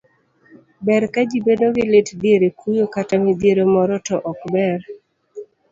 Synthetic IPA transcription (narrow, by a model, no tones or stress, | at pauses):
bɛɾkad͡ʒibedoɡɪletdjeɾekujokatamidjeɾomɔɾɔtɔʔɔkbɛɾ